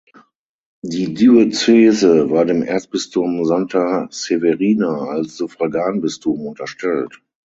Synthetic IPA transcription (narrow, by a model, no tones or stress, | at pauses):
diːdyot͡seːzəvaːɐdeːmʔɛ̰ɐt͡sb̥ɪstʰomzantʰaseveʁiːnaalsz̥ufʁ̥aɡaːnbɪstʰomʊntɐʃtɛlt